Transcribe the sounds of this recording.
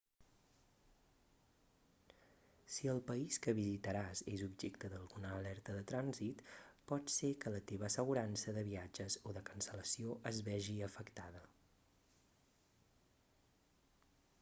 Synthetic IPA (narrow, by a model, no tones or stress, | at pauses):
siəlˠpəiskəβizit̪əɾazezubʒekt̪əðəlˠɣunəːlɛɾt̪əðət̪ɾanzit̪pɔt̪sekələt̪eβ̞əsəɣ̞uɾansəðəβiad͡ʒəzoðəkənsələsioʔəzβɛʒiəfəkt̪aðə